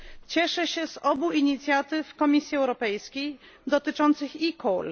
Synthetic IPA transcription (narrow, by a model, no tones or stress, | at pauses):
t͡ɕɛʂɛɕɛzɔbuiɲit̪sʲjat̪ɘfkɔmʲisʲjiɛwɾɔpɛjskʲejd̪ɔt̪ɘt͡ʂɔnt̪sɘxikɔl